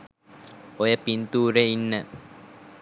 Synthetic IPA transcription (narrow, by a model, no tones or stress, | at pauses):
ojəpint̪uːɾeinːə